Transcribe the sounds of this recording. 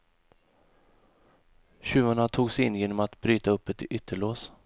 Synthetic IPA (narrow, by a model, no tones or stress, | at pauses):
ɕʉ̟ːvaɳat̪ʰuːɡsɪnjeːnɔmat̪bɾyːt̪aɵpːɛt̪ʏt̪ʰːəɭoːs